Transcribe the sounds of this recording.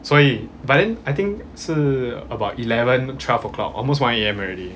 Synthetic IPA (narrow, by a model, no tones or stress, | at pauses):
sɔɹibat̚dɛ̃najt̪ĩŋk | səəbaʊtilɛvə̃ntʰwɛlfəklɔ̰k̚ʔɔ̰lmos̬wãneɛ̃mɔɹɛdi